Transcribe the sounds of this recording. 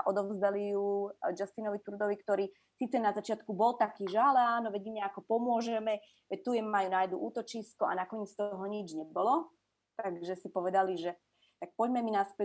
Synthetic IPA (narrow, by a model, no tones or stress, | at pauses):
ʔɔd̪ɔzd̪alijud͡ʒast̪inɔʋit̪uɾd̪ɔʋikt̪ɔɾiː | siːt͡sɛnazat͡ʃɪat̪kubɔlt̪akiːʒalaːnɔʋɛɟmiɲɛakɔpɔmʊɔʒɛmɛ | ʋɛc̚t̪ujɛmmajunajd̪uʔuːt̪ɔt͡ʃiskua̰nakɔɲɛt͡st̪ɔɦɔɲid͡ʒɲɛbɔlɔ | t̪aɡʒɛsipɔʋɛd̪aliʒɛ | t̪ak̚pɔɟmɛminaspɛ